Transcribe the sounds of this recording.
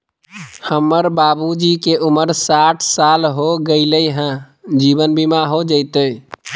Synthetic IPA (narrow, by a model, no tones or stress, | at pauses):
həmːəɾbabud͡ʒikeʔuməɾsaʈʰsalɦoɡəɪləjɦə̃ | d͡ʒibənbimaɦod͡ʒət̪əj